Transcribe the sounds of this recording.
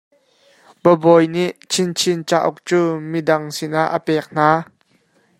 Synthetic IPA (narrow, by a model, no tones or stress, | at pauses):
b̥əbɔjniʔt͡sʰint͡sʰint͡saʔuk̚t͡suːmidɐŋsinʔaʔːəpɛːk̚n̥aː